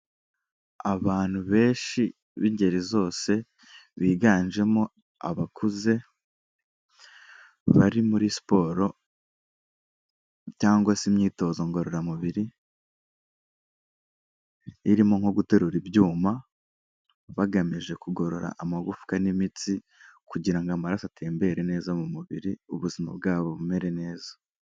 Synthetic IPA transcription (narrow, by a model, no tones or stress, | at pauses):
aβaːn̥huβe̞ːʃi | βiɲɟe̞ɾizo̞ːse̞ | βiːɡaːnʒe̞mo̞ | a̰βakʰuze̞ | βaɾimuɾispo̞ːɾo̞ | caːŋɡwasimɲiːto̞ːzoŋɡo̞ɾoɾamuβiɾi | ɾimo̞ŋ̥ho̞ɡute̞ɾuɾibjuːma | βaɡamiʒe̞kuɡo̞ɾo̞ɾa̰ʔamaɡufu̥kanimit͡si | kuɟiɾaŋɡamaɾasatʰe̞ːmbe̞ɾene̞ːzamumuβiɾiuβuzima̰bɡaːβo̞βume̞ɾe̞ne̞ːza